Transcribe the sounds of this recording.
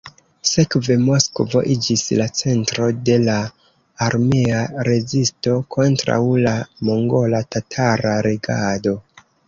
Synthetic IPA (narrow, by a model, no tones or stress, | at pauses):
se̞kve̞mo̞skovo̞̰ʔid͡ʒislat͡se̞ntɾo̞de̞laː | ɾmeaɾe̞zisto̞kʰo̞ntɾa̰wlamoŋɡo̞latatʰaɾaɾe̞ɡado̞